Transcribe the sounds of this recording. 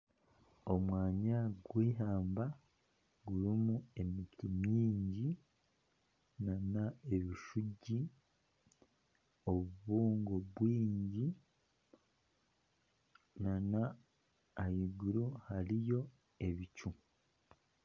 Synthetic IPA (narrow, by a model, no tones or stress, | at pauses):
o̞mwaːɲaɡwiːɦaːmba | ɡuɾimue̞mitimɲiːɲɟi | nanae̞βiʃuɟi | o̞βuβuːŋɡoβwiːɲɟi | nanaː | hiɡuɾuhaɾijo̞ | e̞βicu